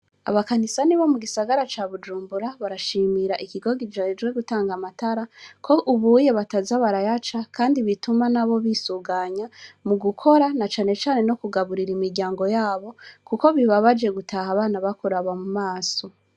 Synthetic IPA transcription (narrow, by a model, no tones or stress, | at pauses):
a̰βakanisaniβamuɡisaɡaɾat͡ʃaːβud͡ʒuːmbuɾaβaɾaʃiːmiɾaʔikiɡo̞ɡid͡ʒad͡ʒɡwe̞ɡutaːŋɡamataɾakʰo̞ʔuβuje̞βatazaβaɾajat͡ʃakʰaːndiβitumanaβo̞βisuɡaɲamuɡukʰo̞ɾanat͡ʃaːne̞t͡ʃaːne̞no̞kuɡaβuɾiɾimiɾɟaːŋɡo̞jaːβo̞kuko̞βiβaβad͡ʒe̞ɡutʰahaβaːnaβakuɾaβamumaːso̞